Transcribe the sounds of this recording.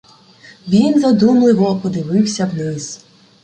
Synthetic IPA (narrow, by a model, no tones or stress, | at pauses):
ʋʲinzɐd̪umlˠɪʋɔpɔd̪ɪʋɪwsʲɐwnɪz